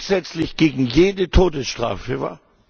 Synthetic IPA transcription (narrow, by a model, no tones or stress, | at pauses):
z̥ɛt͡slɪçɡ̥eːɡŋ̩jeːdətʰoːdəsʃtʁ̥a̰ːfəva̰ːɐ